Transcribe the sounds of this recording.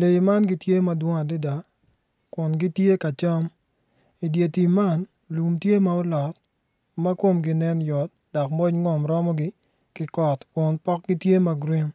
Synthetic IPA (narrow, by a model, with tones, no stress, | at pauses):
le˨jma˦nɡi˦tje˦ma˨dwɔ˦ŋa˨dɪ˦da˨ | kʊ˨nɡi˦tje˦ka˨t͡ʃa˦m | i˨dje˨ti˨ma˦˨n | lu˨mtje˦ma˨ɔ˦lɔ˨t̚ | ma˦kwo˦mɡɪ˦nɛ˦njɔ˨t̚dɔ˨kmɔ˦ɲŋɔ˨mɾɔ˦mɔ˦ɡɪ˦ | kɪ˦kɔ˨tkʊ˨npɔ˦k̚ɡi˦tje˦ma˨ɡɾi˦m